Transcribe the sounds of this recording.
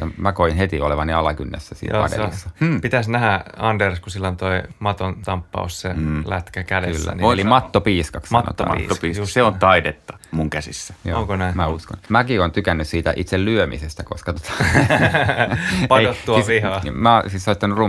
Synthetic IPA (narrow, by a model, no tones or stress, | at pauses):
jɑ̰mækoinhet̪ioleʋɑniɑlɑkynːḛsːæsḭːnɑ̰ndḛsːɑpit̪æsnæhæɑnderskusilːont̪oimɑt̪ont̪ɑmpːɑ̰usselæ̰t̪kækædḛyslːæ̰nielimɑt̪ːopiːskɑksno̰t̪ːɑ̰ḭopiːssseont̪ɑidet̪ːɑ̥muŋkæsisːæ̥jo̰oŋkonæmæusko̰nmækiont̪ykænːyssiːt̪æʔit̪sellyømisest̪ækoskɑt̪o̥t̪ɑ̥ | pɑejot̪ːuɑʋihɑmæsissoit̪ːɑnurru